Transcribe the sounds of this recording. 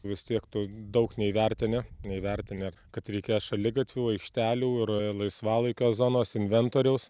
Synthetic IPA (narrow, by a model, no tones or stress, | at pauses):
ʋʲɪst̪ʲiɛkt̪ʊd̪ɐʊknʲɛiʋʲɛɾʲt̪ʲɪnʲɪnʲɛiʋʲɛɾʲt̪ʲɪnʲɪkɐt̪ɾʲɛɪkʲeːjɛʃɐlʲɪɡɐt̪ʲʋʲuːɐɪkʃʲt̪ʲæːlʲuːɪɾlˠɐɪsʋɑːlˠɐɪkʲoːzoːnoːsɪnʲʋʲɛnt̪oːɾʲɛʊs